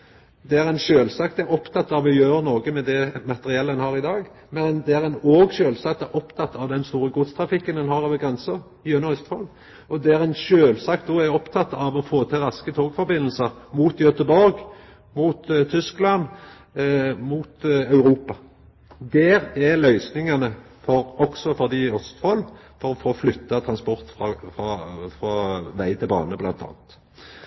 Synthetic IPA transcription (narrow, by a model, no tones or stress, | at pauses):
d̪ɛæɾɛɪnʃøːlsɑk̚t̪æɾɔpt̪ʰɑt̪ːɑʋɔjøːɾənɔːɡəmɛd̪ɛmɑt̪ɛɾɪɛlːəɛnhɑːɾɪd̪ɑːɡ | mɛnd̪ɛæɾɛnoːɡʃøːlsɑkt̪ɛɾʔɔpt̪ʰɑt̪ːɑʋd̪ɛnst̪uːɾəɡʊd̪st̪ʰɾɑfɪkːənɛnhɑːɾɑːʋəɡɾɛnsə | jøːnəœst̪hɔl | ɔd̪ɛæɾæɪnʃøːlsɑk̚t̪̚d̪oːæɾɔpt̪ʰɑt̪ːɑʋɔfoːt̪ʰɪlɾɑskət̪ʰoːɡfɔɾbɪnːl̩səɾmuːt̪jœt̪əbɔɾɡ | muːt̪t̪ʰːʏsklɑn | muːt̪ɑʉɾuːpɑ | d̪ɛːɾælœʏsnɪŋɑnə | fɔɾɔɡsɔfɔd̪iːɔst̪fɔlfɔɾɔfoːflʏt̪ːɑt̪ʰɾɑnspɔɾt̪fʁɑfɑfʁɑːʋæɪt̪ʰɪlbɑ̰ːnəblɑ̰nt̪ʰɑ̰ːnt̪